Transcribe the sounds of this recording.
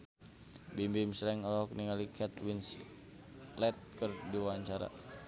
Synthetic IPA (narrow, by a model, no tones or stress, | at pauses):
bimbimslɛŋɔlɔɔkniŋalikʰɛt̪wins | lɛt̪̚kərdiwaɲt͡ʃaɾa̰